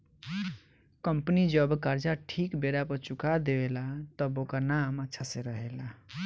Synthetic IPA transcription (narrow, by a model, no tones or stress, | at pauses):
kəmpənid͡ʒəbkaɾd͡ʒaʈʰikbeɾapəɾt͡ʃukad̪eelat̪əbokənamətːʃʰaseɾəɦela